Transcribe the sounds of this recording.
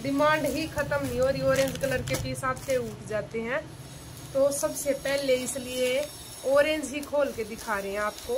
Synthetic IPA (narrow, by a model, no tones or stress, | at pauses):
ɖɪmãːɳɖɦikʰɐt̪əmnĩɔːɾioːɾẽːɲd͡ʒkələɾkepisaːt̪ʰseʊʈʰd͡ʒaːt̪eɦɛ̃ | t̪osɐbsepɛɦleɪslie | ɔːɾẽːnd͡ʒɦikʰoːlked̪ɪkʰaːɾeɦɛ̃aːp̚koː